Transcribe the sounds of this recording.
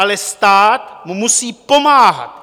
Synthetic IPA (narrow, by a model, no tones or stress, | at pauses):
alɛst̪aːt̪mumusiːpo̞maːɦa̰t̪